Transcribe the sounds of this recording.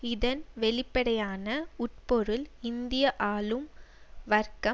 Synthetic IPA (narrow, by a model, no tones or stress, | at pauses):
ɪðɐnʋɛɭɪpːɐɽɐjaːnɐʊʈ̚pɔɾɯlɪnd̪ɪjɐʔaːlɯmʋɐɾkɐ